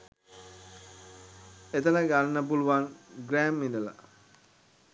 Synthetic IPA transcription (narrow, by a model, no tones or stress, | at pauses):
et̪ənəɡannːəp̬uluʋaŋɡɾæːmːind̪əla̰